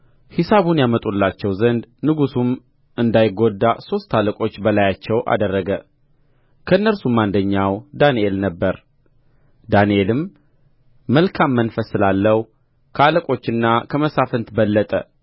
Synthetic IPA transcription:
hisaβunjamət̪ʼulːat͡ʃːɛwzənd̪nɨɡusum | ɨnd̪ajɪɡod̪ːaso̞st̪ʰːaləkʼo̞t͡ʃːbəlajat͡ʃːɛwʔa̰d̪ərːəɡə | kʰəɨnːəɾsumand̪əɲːawd̪anielnəbːəɾ | d̪anielɨmː | əlkʰamːənfəsːɨlalːəhu | kʰəaləkʼo̞t͡ʃːɨnːakʰəməsafənt̪bəlːət̪ʼə̰

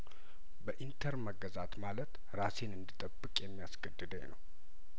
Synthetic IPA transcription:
bəʔint̪ʰəɾməɡəzat̪malət̪ | ɾasenɨnd̪ɨt̪ʼəbːɨkʼjɛmːijasɡəd̪ːɨd̪əɲnə̰w

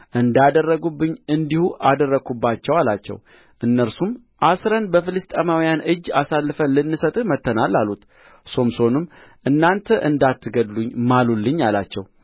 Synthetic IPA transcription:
ʔɨnd̪ad̪ərːəɡubːɨɲːɨnd̪ihuʔad̪ərːəkubːat͡ʃːɛwalat͡ʃːɛ̰w | ʔɨnːəɾsum | ʔasɾənbəfɨlɨst̪ʼəmawijanɨd͡ʒːasalːɨfənlɨnːɨsət̪ʼɨmət̪ʰːənalːalːut̪ | so̞mso̞nɨm | ʔɨnːant̪ʰəʔɨnd̪at̪ːɨɡəd̪luɲːmalulːɨɲːala̰t͡ʃːɛ̰w

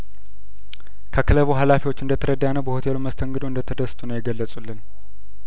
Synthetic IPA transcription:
kʰəkʰɨləβuɦalafiwot͡ʃːɨnd̪ət̪ʰəɾəd̪ːanəwbəho̞t̪ʰe̞loməst̪ʰəŋɡɨd̪oɨnd̪ət̪ʰəd̪əst̪ʰunəwjɛɡəlːəsʼulːɨn

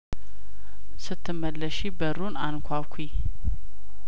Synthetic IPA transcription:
sɨt̪ʰːɨmːəlːəʃibəɾunankʷʰakʷʰi

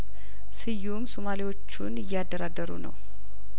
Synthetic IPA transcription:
sɨjːumsomaliwo̞t͡ʃːunɨjːɛad̪ːəɾad̪əɾṵnə̰w

